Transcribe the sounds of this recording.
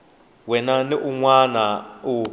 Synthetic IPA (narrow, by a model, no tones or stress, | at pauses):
wɛnaniʔuŋwanau